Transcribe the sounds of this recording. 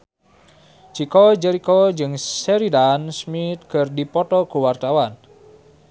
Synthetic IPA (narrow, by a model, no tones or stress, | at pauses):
d͡ʒikɔd͡ʒɛɾikod͡ʒɨŋsɛɾidansmit̪̚kərdipɔt̪ɔɡ̥owart̪awan